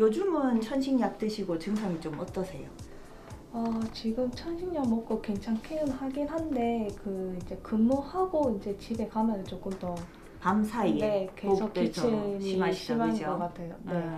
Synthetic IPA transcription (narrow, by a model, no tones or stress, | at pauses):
jod͡ʑumɯnt͡ɕʰʌnɕʰiŋɲak̚t͈ɯɕʰiɡot͡ɕɯŋsʰaŋit͡ɕomʌt͈ʌsʰe̞jo | ʌt͡ɕiɡɯmt͡ɕʰʌnɕʰiŋɲakmʌp̚k͈okwe̞ŋt͡ɕʰaŋkʰeɯnɦaɡinɦande̞kɯind͡ʑe̞kɯnmohaɡoind͡ʑe̞t͡ɕibe̞kamjʌnɯt͡ɕok͈ɯmtʌ | pamsʰaine̞kesʰʌkkit͡ɕʰeɲiaɕʰimanɡʌk͈atʰe̞jone̞